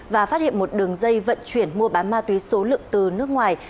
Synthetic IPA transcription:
vaː˨˩faː˦˥t̚hḭ˧˨ənmo˨˩t̚ɗɨ˨˩əŋzə˧jvə̰˧˨nt͡ɕwi˧˩ənmu˧əɓaː˨˦nmaː˧t̪wi˨˦so˨˦lɨ̰˧˨əŋt̪ɨ˨˩nɨ˦˥ək̚ŋwaː˨˩j

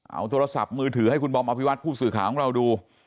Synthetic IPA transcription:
ʔa̰˧˩wt̪ʰoː˧a˧sa̰˨˩p̚mɯː˧t̪ʰɯː˩˦ɦa˥˩jkʰu˧nbɔː˧mʔa˧pʰi˦˥wa˦˥t̪̚pʰuː˥˩sɯː˨˩kʰaː˩˦kʰɔː˨˩˦ŋɾa˧wduː˧

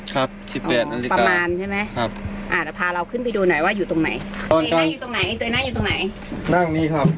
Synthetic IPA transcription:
kʰa˦˥p̚si˨˩ʔɔɛː˨˩a˧lpa˧maː˧nt͡ɕʰa˥˩jma˦˥jʰa˦˥p̚ʔaː˧˩la˨˧˩pʰaː˧ɾa˧wkʰɯ˥˩npa˧jduː˧nɔ˨˩˦jwaː˥˩juː˨˩t̪o˧ŋna̰˩˦jɔː˧n˧ka˧ŋ˨u˨t̪o˧ŋna˩˦jt͡ɕɤː˧jnaː˥˩juː˨˩t̪o˧ŋna˨˩˦j | naː˥˩ŋniː˦˥˩kʰa˦˥p̚

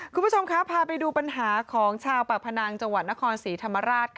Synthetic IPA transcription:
kʰu˧nbʰt͡ɕʰo˧mkʰa˦˥pʰaː˧pa˧jduː˧pa˧nɦaː˩˦kʰɔː˩˦ŋt͡ɕʰaː˧wpa˨˩k̚pʰa˧naː˧ŋt͡ɕa˧ŋwa˨˩t̪̚na˦˥kʰɔː˧nsiː˩˦t̪ʰa˧mːa˧ɾaː˥˩t̪̚kʰ

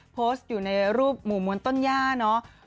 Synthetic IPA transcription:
pʰoː˦˥st̪̚juː˨˩na˧jɾuː˥˩p̚muː˨˩mu˧ənt̪o˥˩njaː˥˩nɔ˦˥ʔ

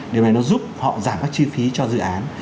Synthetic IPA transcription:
ɗe˨˩wna˨˩jnɔ˨˦zu˦˥p̚hɔ̰˧˨zaː˧˩mkaː˦˥k̚t͡ɕi˧fi˨˦t͡ɕɔ˧zɨ̰˧˨ʔaː˨˦n

